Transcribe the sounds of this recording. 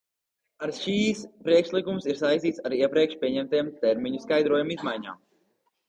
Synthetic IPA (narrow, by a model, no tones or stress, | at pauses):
aɾʃiːspɾiɛkʃlˠikumsiɾsajst̪iːt̪saɾiɛpɾiɛkʃpʲiɛɲɛmt̪ejmt̪ɛɾmiɲuskajd̪ɾoɔjumizmajɲa̰ːm